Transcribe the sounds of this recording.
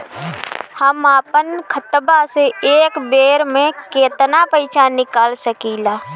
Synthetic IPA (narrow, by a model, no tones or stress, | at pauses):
həmaːpənkʰət̪baseeːkbeːɾmẽkeːt̪napəɪt͡ʃaːnːɪkaːlsəkiːlaː